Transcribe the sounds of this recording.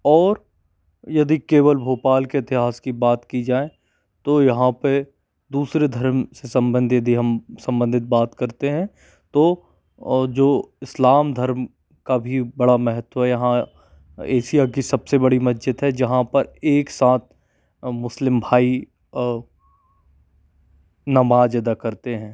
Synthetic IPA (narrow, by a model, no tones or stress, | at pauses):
ɔːɾ | jɐd̪ikeːwəlbʱoːpaːlkeɪt̪ɪɦaːskibaːt̪kid͡ʒaːẽ | t̪ojɐɦãpɐ | d̪uːsɾed̪ʱɐɾmsesɐ̃mbə̃nd̪ʱijɐd̪iɦɐmsɐ̃mbə̃nd̪ʱɪt̪̚baːt̪kɐɾt̪eɦɛ̃ | t̪oː | d͡ʒoːɪslaːmd̪ʱɐɾm | kabʱibɐɽamɛɦət̪wɦɛjɐɦã | eːsiakisɐbsebɐɽimɐd͡ʒət̪ɦɛd͡ʒɐɦãpɐɾeːksaːt̪̚ʰ | mʊslɪmbʱaːi | nɐmaːd͡ʒeːd̪akɐɾt̪eɦɛ̃ː